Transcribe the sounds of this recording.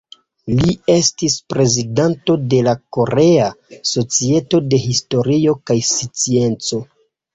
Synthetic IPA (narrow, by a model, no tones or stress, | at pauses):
lie̞stispɾe̞zidanto̞de̞lako̞ɾe̞aso̞t͡sie̞to̞de̞ɦisto̞ɾio̞kajsit͡sie̞nt͡so̞